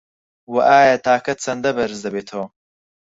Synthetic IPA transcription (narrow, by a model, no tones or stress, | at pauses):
wɐʔaːjat̪aːkɐt̪t͡sɐnd̪ɐbɐɾzd̪ɐbet̪ʰoː